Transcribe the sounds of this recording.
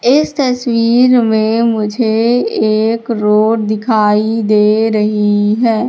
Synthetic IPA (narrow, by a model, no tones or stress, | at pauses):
ɪst̪ɐswiːɾmẽmʊd͡ʒʱeeːkɾoːɾd̪ɪkʰaːid̪eːɾɐɦiɦɛː